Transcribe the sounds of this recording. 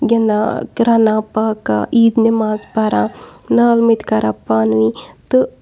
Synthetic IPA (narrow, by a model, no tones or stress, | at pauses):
ɡɐnd̪akɾanãːpaːka̰ʔiːd̪nemaːspaːɾãnaːlmit̪kaɾʔaːpaːnʋit̪ɨ